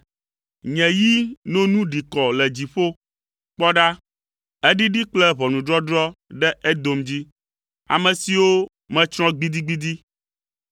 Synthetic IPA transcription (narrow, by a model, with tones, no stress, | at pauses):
ɲɛ̃˨ji˦nõ˦nũ˦ɖi˨kɔ˨lɛ˨d͡ʑi˨ɸo˦ | k͡pɔ˦ɖa˦ | ɛ˦ɖi˦ɖi˦k͡plɛ˦βɔ˨nũ˨ɖɾɔ˦ɖɾɔ˦ɖɛ˦ʔɛ˦d̪o˨md͡ʑi˦ | a̰˨mɛ̃˨si˨wo˦ | mɛ̃˦t͡ʃɾɔ̃˦ɡ͡bi˦d̪i˦ɡ͡bi˦d̪i˦